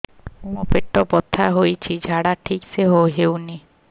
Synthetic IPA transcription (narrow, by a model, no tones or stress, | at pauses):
ũɔpeʈːɔpɔt̪ʰːaɦojt͡ʃʰid͡ʒʱaɽaʈʰikseɦoɦewni